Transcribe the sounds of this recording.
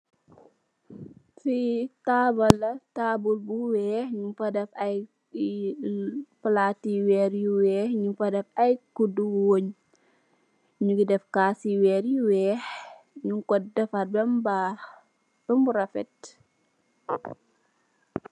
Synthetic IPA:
fitaːbɐlːɐtabulbuwɛːhɲumfɐdɛfɐj | pəlaːtiwɛːɾjiwɛːhɲumfɐdɛfajkuduwoɲ | ɲuɡidɛfkaːsiwɛːɾjiwɛːxɲuŋkɔdɛfɐt̚bɛmbaːx | b̥ɛmbuɾɐfɛt̚

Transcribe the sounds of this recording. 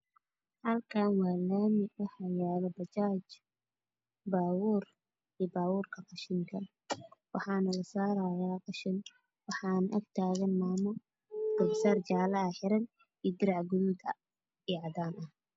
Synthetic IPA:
hɐlkʰaːnwɑːlaːmɪʔʊhɐjaːlɔbɐt͡ʃaːt͡ʃ | baːwuːr | iːbaːwuːrkʰɐqɑʃɪŋkʰɐ | wɑħɑːnɐlɐsaːɾaːjaːqɑʃɪn | wɑħɑːnʔɐɡt̪ʰaːɣɐnmaːmʊ | ɡ̥ɐbsɐrd͡ʒaːlɐɐħɪɾɐn | iːd̪ɪɾɑʕɡʊðuːd̪ɐ | iːʕɑdaːnʔɐh

